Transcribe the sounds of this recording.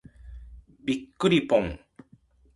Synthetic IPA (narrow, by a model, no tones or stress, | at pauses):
bikːuɾipoŋ